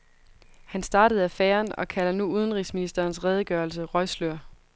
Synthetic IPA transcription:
hænsd̥ɑ̈ːɾəð̞̩ˠæfeːɐnɒ̽kʰælɐnuuð̞ˠənʁisminisd̥ɐːnsʁɛːð̞ˠəɡ̥ɶːɐls̬əʁɒɪsløɐ̰

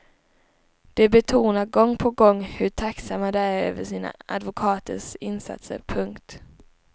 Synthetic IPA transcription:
d̪̥ɛbɛt̪ʰuːnaɾɡɔŋːpʰɔɡɔŋːhɵʈʰaksamːad̪ɛæɾø̰ːvəʂiːna̰a̰d̪vʊkʰɑːt̪ʰəʂɪnsa̰t̪sə̰ɾpʰɵŋkt̪

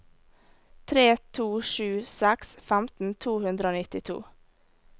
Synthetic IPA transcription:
t̪ʰɾeːt̪ʰuːʃʉːsɛksfæmt̪n̩t̪ʰuːhʉnd̪ɾəoːnɪt̪ɪt̪ʰṵː

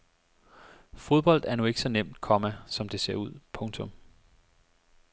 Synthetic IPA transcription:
fo̝ð̞ˠb̥ɒ̽l̰d̥æɐnue̝ɡ̥sɒ̽nem̰d̥̚kʰɒ̽mæsɒ̽md̥e̝se̝ɐ̰uð̞̰ˠpʰɔ̽ŋt͡sʰɔ̽m

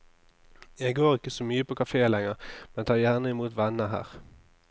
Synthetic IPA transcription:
jɛɡɡoːʁɪkəsɔmyːəpʰoːkʰɑfeːlɛŋəʁmɛnt̪ʰɑːjæːʁnəɪmuːt̪ʋɛnəɦæ̰ːʁ

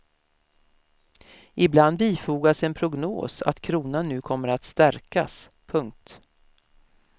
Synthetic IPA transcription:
ʔɪbland̪iːfuːɡasɛnpʰɾʊɡno̰ːsa̰t̪kʰɾuːnanːʉ̟ːkʰɔmːəɾat̪st̪æɾka̰s | pʰɵŋk̚t̪

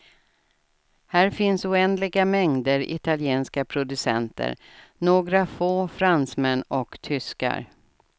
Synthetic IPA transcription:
hæːɾfɪnsʊɛnd̪lɪɡamɛŋd̪əɾɪ̰t̪aljeːnskapʰɾʊd̪ɵsɛ̰nt̪ʰə̰ɾnoːɡɾafoːfɾansmɛnːɔkt̪ʰʏska̰ɾ

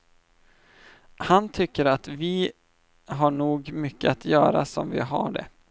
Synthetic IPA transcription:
hant̪ʰʏkːəɾat̪vɪ | ɦaɳuːɡmʏkːəat̪ʰjœːɾa̰sɔmvɪ̰ɦa̰ɖɛ̰

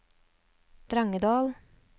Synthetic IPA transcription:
d̪̥ɾɑŋəd̪ɑːl

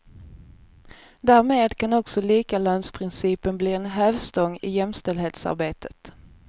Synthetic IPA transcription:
d̪æːɾmeːd̪kʰanɔksɔliːkaløːnspʰɾɪnsiːpənbliːɛnɦœːvst̪ɔŋːɪ̰jɛmst̪ɛld̪heːt̪sa̰ɾbeːt̪ʰə̥t̪

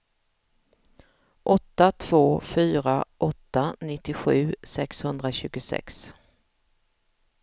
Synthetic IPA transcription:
ʔɔt̪ːat̪ʰv̥oːfyːɾaʔɔt̪ːanɪt̪ːɪɧʉ̟ːsɛkshɵnd̪ɾaɕʉ̟ːɡʊsɛ̰ks

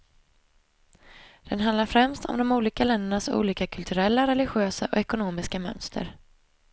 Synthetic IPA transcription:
d̪̥ɛnɦand̪laɾfɾɛmst̪ʰɔ̰md̪ɔmuːliːkalɛnd̪əɳasṵːliːkakʰɵlt̪ʰɵɾɛlːaɾɛlɪɧɪøːsaʔɔ̰ɛkʊnoːmɪskamœ̰nst̪ʰə̰ɾ

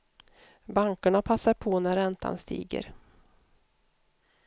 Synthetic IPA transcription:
baŋkaɳapʰasːaɾpʰɔnæɾɛnt̪ʰa̰nst̪ḭːɡə̰ɾ

